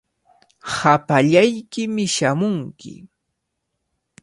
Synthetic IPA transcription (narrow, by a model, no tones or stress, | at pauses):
hapaʎajkɪmɪʃamʊŋkɪ̰